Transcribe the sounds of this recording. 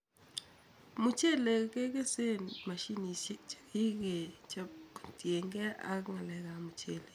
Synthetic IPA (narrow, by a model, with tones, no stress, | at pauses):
mu˨t͡ʃe˦le˨ke˦ɡe˦se˦nma˨ʃi˦ni˨˦t͡ʃḁ˨ki˦ɡe˨t͡ʃatje˨ŋɡe˦a̰˦kŋa˨lɛ˨ɣa˨mu˨t͡ʃe˨le˨